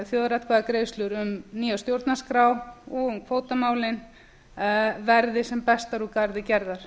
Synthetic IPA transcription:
θjoːðɾat̪kʰvaːðakɾejslʏɾʏmniːjawst̪jowɾt̪naskɾaːwɔɣʏmkʰvoːwt̪amaːwlɪn | vɛɾðɪsɛmpɛst̪aɾukaɾðɪcɛɾðaɾ̥

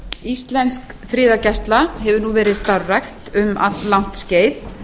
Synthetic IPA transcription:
ist̪lɛnskfɾɪːðacɛst̪laɦɛvʏɾnuvɛːɾɪðst̪arrajxt̪ʏma̰t̪lawn̥t̪sceːjθ

